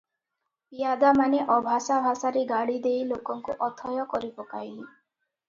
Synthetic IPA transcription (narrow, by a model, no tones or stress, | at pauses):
ijad̪amaneʔɔbʱasabʱasaɾeɡaɽid̪ejlokɔŋkuʔɔt̪ʰɔjɔkɔɾipɔkajli